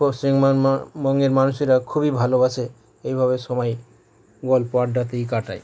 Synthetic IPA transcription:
posɾiŋamɔŋeɾmanuʃiɾakʰubibʱalobat͡ɕʰe | ejbʱaβeʃɔmɔj | ɡɔlpoaɾɖat̪ejk̬aʈaj

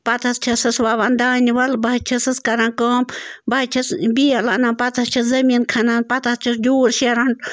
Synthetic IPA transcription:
pɐt̪ʰɐst͡ʃʰɐsɨsʋaːʋand̪aːniʋɐlbɐɦt͡ʃʰɐsɨskɐɾãːnkəːmbɐt͡ʃʰɐsbiːɐlaːnãːpɐt̪ʰɐst͡ʃʰɐszɐmiːnkʰɐnanpɐt̪ʰɐst͡ʃʰisd͡ʒuːɾʃeɾɐɳʈ

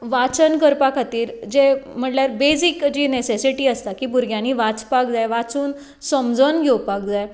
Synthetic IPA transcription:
ʋat͡sənkəɾpakʰat̪iːɾd͡ʑem̤əʈljaɾbed͡zikd͡ʑiːnesesiʈiːəst̪akiːbuɾɡjãniːʋat͡spak̚d͡zajʋat͡suːn | səmd͡zʱənɡʱewpak̚d͡zaj

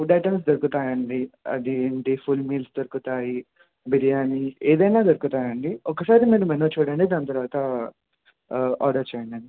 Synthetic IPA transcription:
ɖɐjʈɐns̬d̪ɐɾukut̪aːjɐɳɖiɐ̰d̪iɳʈipʰulmiːlsd̪ɐɾukut̪aːji | biɾijaːnieːd̪ɐjnaːd̪ɐɾukut̪aːjɐɳɖiɔkːɐsaːɾimeːnɐmɐnːot͡ʃuːɽɐːɳɖid̪aːnɐt̪ɐɾʋaːt̪ɐ | a̰ːɾɖɐɾt͡ʃeːjɐɳɖɐni

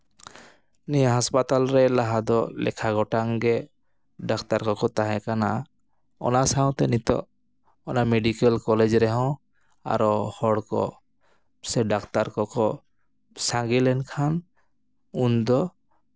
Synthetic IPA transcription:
nijaɦaspat̪alɾɛlaɦad̪ɔlɛ̰kʰaɡɔʈaŋɡɛ | ɖakt̪aɾkɔkɔt̪aɦɛ̃kana | ɔ̰nasaw̃t̪ɛnit̪ɔ̰ | ɔnameɖikɛlkɔled͡ʒɾɛɦɔ̃ | a̰ɾɔhɔɽkɔ̰ | sɛɖakt̪aɾkɔkɔ | saŋɡilɛnkʰan | und̪ɔ

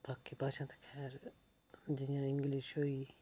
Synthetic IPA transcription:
bʱaːkːipaːʃãːt̪e̥kʰɛːɾ | d͡ʒɪjãːɪ̃ŋɡliʃoːiː

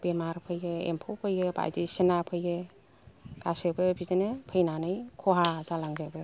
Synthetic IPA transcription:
b̥emaɾpʰɯjɡɯḛmpʰɔpʰɯjɡɯba̰jdisinapʰɯjɯ | ɡ̥asebɯbizenepʰɯjnanɯjkʰɔɦazalaŋzebɯ

